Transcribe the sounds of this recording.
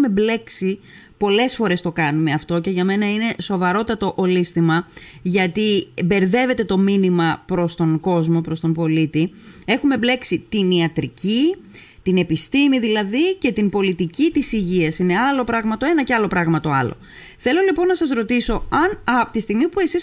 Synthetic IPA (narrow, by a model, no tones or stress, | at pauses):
me̞ble̞ksi | po̞le̞sfo̞ɾe̞st̪o̞kɐnume̞ɐft̪o̞ce̞ʝɐme̞nɐine̞so̞vɐɾo̞t̪ɐt̪o̞ʔolist̪imɐʝɐt̪ibe̞ɾðe̞ve̞t̪e̞t̪o̞minimɐpɾo̞st̪o̞ŋɡo̞zmo̞pɾo̞st̪o̞mbo̞lit̪ie̞xume̞ble̞ksit̪iniɐt̪ɾici | t̪ine̞pist̪imiðilɐðice̞t̪impo̞lit̪icit̪isiʝiɐsine̞ɐlo̞pɾɐɣmɐt̪oe̞nɐceɐlo̞pɾɐɣmɐt̪o̞ɐ̰lo̞̰ | θe̞lo̞lipo̞nːɐsɐzɾo̞t̪iso̞ɐnɐpot̪ist̪iɣmipue̞sis